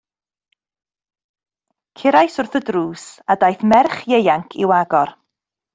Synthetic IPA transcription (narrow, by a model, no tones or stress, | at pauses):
kʰɪɾajsʊrθədruːsadajθmɛrχjejaŋkʰɪ̰waɡɔr